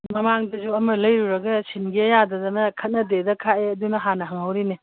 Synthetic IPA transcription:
mɐmaŋdɐd͡ʒuɐmɐlɐjɾuɾɐɡɐsinɡiɐjadɐdɐnɐkʰɐt̚nɐdedɐkʰaeɐdunɐɦanɐɦɐŋɦɐwɾine

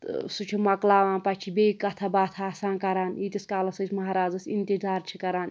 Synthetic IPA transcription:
t̪sut͡ʃʰumɐklaːʋãːnpɐt͡ʃʰibeikɐt̪ʰabaːt̪ʰaːsãːnkɐɾaːniːt̪ʲiskaːlɐsɐt͡ʃʲʰmɐɦaɾaːzɐsint̪izaːɾt͡ʃʰikɐɾaːn

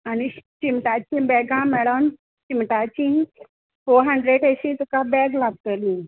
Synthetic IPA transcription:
anit͡ɕimʈat͡ɕĩbɛɡãmɛɽəm | t͡ɕimʈat͡ɕĩn | foɾɦə̃ɳɖɾeɖeɕĩtukabɛɡlaɡ̚t̪əli

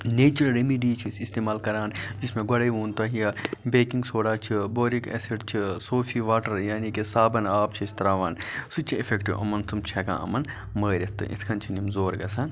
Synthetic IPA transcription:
neːt͡ʃɐɾɐlɾemiɖiːt͡ʃʰisist̪eːmaːlkɐɾaːnd͡ʒismẽɡɐɽɐʋuːnt̪ɐɦijaːbeːkĩŋɡsoːɽaːt͡ʃʰiboːɾikḛseʈt͡ʃʰisoːfʰiʋaːʈɐɾjaːnikesaːbɐnaːp̚t͡ʃʰist̪ɐɾaːʋaːnsut͡ʃʰiifʰeːkʈiʋʔɐ̰mɐnsumt͡ʃʰɛːkã̰ːɐ̰mɐn | məːɾɐt̪ːɨ̰ʔḭt̪ʰkʰɐnt͡ʃʰinimzoːɾɡɐsaːn

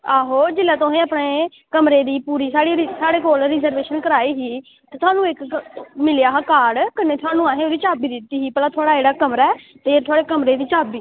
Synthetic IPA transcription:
aːɦoːd͡ʒɪlaːt̪oɦẽːapɳeː | kəmɾeːd̪iːpuːɾiːsaːɽiːɾisaːɽeːkoːlɾɪzəɾʋeːʃənkəɾaːiːɦiː | t̪eːt̪ʰʊaːnũːɪkmɪljaːɦakaːɖkəneːt̪ʰwaːnũːãːɦẽːoːd̪iːt͡ʃaːbiːd̪ɪt̪ːiːɦiːpəlaːt̪ʰʊaːɽaːeːɽaːkəmɾaːɛː | t̪eːt̪ʰʊaːɽeːkəmɾeːd̪iːt͡ʃaːbiː

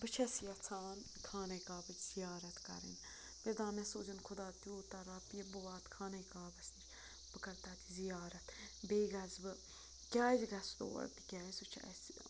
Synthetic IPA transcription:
bɨt͡ʃʰɐsijɐt͡sʰaːnkʰaːnɐjkaːbɨt͡ʃizijaːɾɐt̪kɐ̰ɾḭn | peɾd̪ãːmɛ̃soːd͡ʒənkʰʊd̪aːt̪ijoːt̪ɐɾaːpijɐbɨʋaːt̪kʰaːnɐjkaːbɐsni | bɨkɐɾt̪at̪izijaːɾɐt̪beːɡɐzbɨ | kʲjaːzɡɐst̪o̰ːɾ̰t̪i̥kʲaːjsut͡ʃʰa̰si

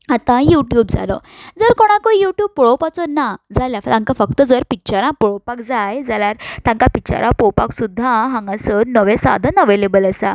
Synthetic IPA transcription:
at̪ãjuʈjuːbd͡za̰lɔ̰ | d͡zəɾkoɽ̃ãkoijuʈjuːb̚pɔɭɔpat͡sɔnːad͡zaljafat̪ãŋkafək̚t̪əd͡zəɾpit͡ɕaɾãpɔɽɔpakd͡zajd͡zalaɾt̪ãŋkapit͡ɕa̰ɾʔãpowpa̰ksud̪ʱːãɦãŋɡasəɾnəʋesa̰d̪ʱənəʋelebələsa

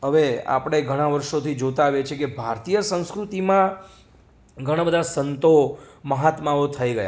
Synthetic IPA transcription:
ɦəʋea̰pɽ̃eɡʱəɽ̃ãʋəɾʃot̪ʰid͡ʒot̪aːʋjet͡ʃʰekebʱaɾt̪ijəsə̃w̃skɾut̪imã | ɡʱəɽ̃abəd̪ʱasənt̪oməɦat̪maot̪ʰəiɡəja̰

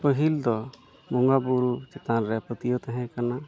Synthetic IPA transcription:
pəɦild̪ɔ | mɔŋɡabuɾut͡ʃɛt̪anɾɛpət̪ijɔt̪aɦɛ̃kana

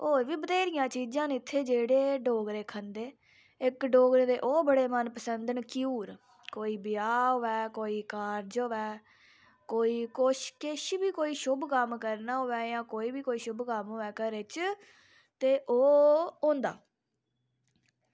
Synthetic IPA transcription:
oːɾʋiːbəd̪eːɾɪjãːt͡ʃiːd͡ʒãːnɪt̪ʰːeːd͡ʒeːɽeːɖoːɡɾeːkʰənd̪eː | ɪkɖoːɡɾeːd̪eːʔoːbəɽeːmənpəsənd̪əɳkiuːɾ | koːiːbɪjaːɦoːɛːkoːiːkaːɾd͡ʒoʋɛː | koːiːkʊʃkɪʃbiːkoːiːʃʊbkəmkəɾnaːɦoʋɛːjãːkoːiːbiːkoːiːʃʊbkəmɦoːɛːkəɾeːt͡ʃ | t̪eːʔoːõːnd̪a̰ː

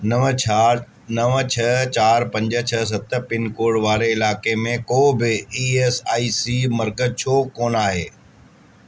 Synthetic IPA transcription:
nəʋət͡ʃʰɐɦt͡ɕaːɾpɐ̃ɲd͡ʒəɐs̬ɐt̪pɪnkoːɽʋaːɾeɪlaːkemẽkoːbɪiːesaːiːsiːmɐɾkət͡ʃʰoːkoːnaːɦeː

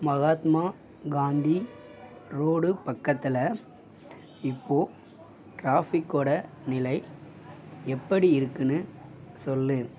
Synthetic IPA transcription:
mɐɣaːt̪maː | ɡaːnd̪i | ɾoːɽɯpɐkːɐt̪ːɪlɐ | ɪpːoː | ʈɾaːfɪkːoɽɐ | nɪlɐɪ | ɛpːɐɽiɪɾɯkːɯnɯsɔlːɯ

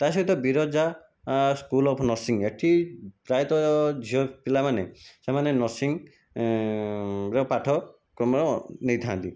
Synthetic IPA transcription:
t̪asɔit̪ɔbiɾɔd͡ʒa | skulɔpʰnɔsiŋeʈʰipɾajt̪ɔd͡ʒʱiɔpilamanesemanenɔsiŋ | ɾɔpaʈʰɔ | kɾɔmɾɔnejt̪ʰãnt̪ḭ

